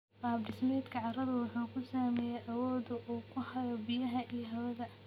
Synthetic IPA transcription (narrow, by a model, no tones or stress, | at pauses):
baːbdɪsmɛːd̪kʰɐʕɑrɐðɐwʊħuːkʰʊsaːmɛːjɛʔɐwɔːd̪ʊʔuːkʰʊhɐɾɐbɪjɐɦɐʔijɐɦɐwɐðɐ